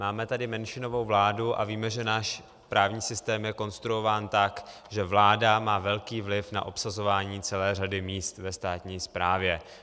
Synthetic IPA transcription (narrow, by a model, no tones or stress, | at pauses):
maːmɛt̪adɪmɛnʃɪno̞vo̞wvlaːduʔa̰viːmɛʒɛnaːʃ | pɾaːvɲiːsɪst̪ɛːmjɛko̞nst̪ɾuo̞vaːnt̪ak | ʒɛvlaːdamaːvɛlkiːvlɪfna̰ʔo̞psazo̞vaːɲiːt͡sɛlɛːradɪmiːst̪vɛst̪aːt̪ɲiːspɾaːvjɛ